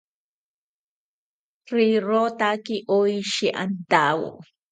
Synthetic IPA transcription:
riɾot̪akiʔojʃiʔa̰nd̪aw̰

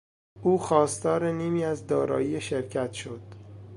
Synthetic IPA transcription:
ʔuːxɒːst̪ɒːɾeniːmiːæzd̪ɒːɾɒ̰ːjiːeʃeɾcʰæt̪ʃod̪̥

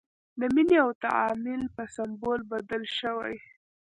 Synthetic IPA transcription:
d̪əmineawt̪a̰ɑmɪlpəsambolbad̪əlʃəwa̰j

